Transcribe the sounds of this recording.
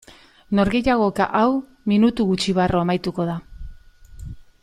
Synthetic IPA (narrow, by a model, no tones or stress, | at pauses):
no̞ɾɣe̞jaɣ̞o̞ka̰ʔaw | minut̪uɣut͡ʃiβ̞aroamajt̪uko̞ð̞a